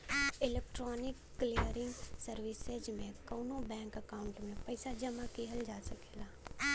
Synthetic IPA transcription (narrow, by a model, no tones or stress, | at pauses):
ɪleːk̚ʈɾɔːnɪkːlijəɾɪ̃ŋɡsəɾʋɪsed͡ʒmẽkɐːnõbɛ̃ːŋkəkaːʊɳʈmẽpɐɪsad͡ʒɐmakiɦəld͡ʒaːsɐkeːlaː